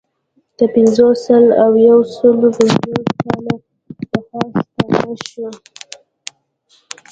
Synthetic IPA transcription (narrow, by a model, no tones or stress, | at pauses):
d̪̥əpɪnzosəlawjawsəlobədikɑla | d̪̥əxɑst̪aaʃwa